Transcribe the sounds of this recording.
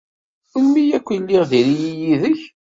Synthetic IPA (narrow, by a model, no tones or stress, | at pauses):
əlmːijækʷːiliʁðiɾijijiðəç